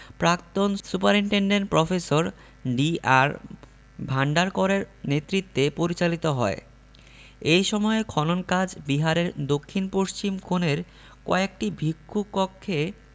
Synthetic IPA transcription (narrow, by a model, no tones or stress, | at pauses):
pɾakt̪onsupaɾiɳʈeɳɖeɳʈ̚pɾɔfesoɾ | ɖiaɾ | bʱaɳɖaɾkɔɾeɾnet̪ːɾit̪ːepoɾit͡ɕalit̪oɦɔ̰e | ejʃɔmɔekʰɔnonkad͡ʑbiɦaɾeɾd̪okʰːinpoʃt͡ɕimkʰoneɾ | kɔ̰ek̚ʈibʱikːukɔkʰːe